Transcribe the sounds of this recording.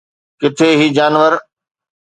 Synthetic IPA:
kɪt̪ʰeɦiːd͡ʑaːnʋəɾ

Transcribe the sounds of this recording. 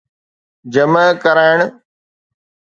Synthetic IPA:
d͡ʑəməkəɾaːɪɳ̃

